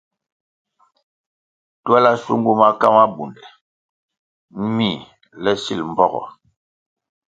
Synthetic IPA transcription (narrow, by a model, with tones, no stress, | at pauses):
twɛ˦la˦sṵ˦ŋɡu˦ma˦ka˦ma˦bu˨ndɛ˨ | m̩˦mi˦˨ | lɛ˦si˦˨lm̩˨bɔ˦ɣɔ̰˨